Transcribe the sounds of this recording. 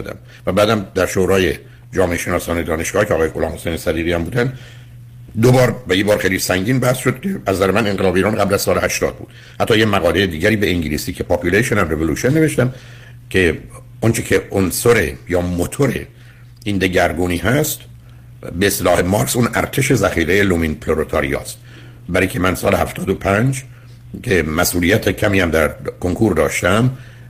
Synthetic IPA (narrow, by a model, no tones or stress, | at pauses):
d̪æ̰m | væbæːd̪æmd̪æɾʃoːɾɒːje | d͡ʒɒːmeʔeʃe̞nɒːsɒːned̪ɒːne̞ʃɡ̥ɒːhkcʰeɒːɣːjeʔolɒːmhosejnesæd̪iːɣiːhæmbuːd̪ænd̪ | d̪obɒːɾvæjibɒːɾxejlisæŋɟiːnbæhsʃod̪̚kʰeʔæzːæɾemæne̞nɡelɒːbeiːɾɒːnɢæblæz̥sɒːlehæʃt̪ɒ̰ːd̪̚bṵːd̪ | hæt̪ʰːɒːjemæɣɒːlejed̪iːɟæɾiːbeiŋɟiliːsiːcʰe̞pʰɑpʰjuleʃonænrevoluːʃonːeve̞ʃt̪æm | cʰe̞ | ont͡ʃʰecʰeʔonsoɾḛjɒːmot̪ʰoɾḛ | iːnd̪e̞ɟæɾɡuːniːɦæst̪ | beːst̪elɒːhemɒːɾksuːnʔæɾt̪ʰe̞ʃe̞zæχiːɣejelominpʰloɾot̪ʰɑːɾḭjɒ̰ːst̪ | bæɾiːcʲʰemænsɒːlehæft̪ʰɒːd̪opʰænd͡ʒ | cʰemæsʔuːlijæt̪ʰecʰæmiːhæmd̪æɾkʰoŋkʰuːɾd̪ɒːʃt̪æm